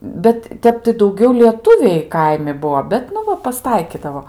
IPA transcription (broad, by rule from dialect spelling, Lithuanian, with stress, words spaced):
ˈbʲɛt ˈtʲɛp tɐɪ dɐʊˈɡʲɛʊ lʲiɛˈtʊʋʲɛɪ ˈkɐɪmʲɪ ˈbuɔ ˈbʲɛt nʊ ˈʋɐ pɐsˈtɐɪkʲɪdɐʋoː